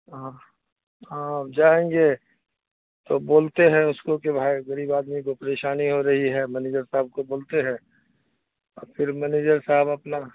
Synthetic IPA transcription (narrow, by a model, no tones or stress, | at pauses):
ɦã | ãd͡ʒaːẽːŋɡe | t̪oboːlt̪eɦɛ̃ʊskokebʱaːiɡəɾiːbaːd̪mikopəɾeːʃaːniɦoɾɐɦiɦɛmɛneːd͡ʒəɾsaɦb̚koboːlt̪eɦɛ̃ | ɔ̰ːɾpʰɪɾmɛneːd͡ʒəɾsaɦəbɐpna